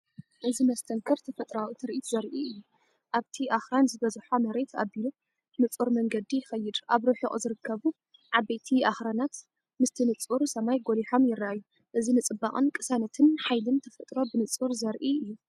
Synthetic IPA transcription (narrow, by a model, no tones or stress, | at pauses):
ʔɨzimɐst̪ʰɐŋkʰɨɾt̪ʰɐfɐt̪ʼɾawit̪ʰɨɾʔit̪zɐɾʔiɨjːu | ʔaβt̪ʰiʔaxɾanzɨbɐzħomɐɾe̞t̪ʰabilu | nɨt͡sʼuɾmɐŋɡɐd̪ijɪxɐjːɨd̪ʔaβɾɨħɨkʼzɨɾɨkʰːɐβu | ʕaβejt̪ʰiʔaxɾanat̪ | mɨst̪ʰinɨt͡sʼuɾsɐmajɡo̞liħo̞mjɪrːaʔajːu | ʔɨzinɨt͡sʼɨbakʼɨnkʼɨsanɐt̪ʰɨnħajlɨnt̪ʰɐfɐt̪ʼɾo̞bɨnɨt͡sʼuɾzɐɾʔiʔɨjːu